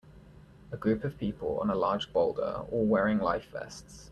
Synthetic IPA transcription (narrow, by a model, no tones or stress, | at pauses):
əɡɹʉˑpəv̥pʰiˑpʰələ̰̃nəlɑːd͡ʒb̥ɒʊlˠdə̰ɔːlˠwɛːɹɪ̃ŋlaɪfvɛ̰sts